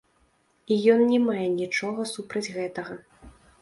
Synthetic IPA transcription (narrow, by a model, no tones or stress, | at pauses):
ijɔnːʲɛmajɛnʲit͡ʂɔɣɐsupɾɐd͡zʲɣɛt̪ɐɣɐ